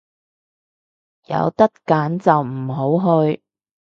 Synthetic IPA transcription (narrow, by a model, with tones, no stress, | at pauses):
jɐ̰˨˧wt̪ɐ˥t̚kaː˨˥nt͡sɐ˨wm̩˨˩ɦo˨˥wɦɵ˧ɥ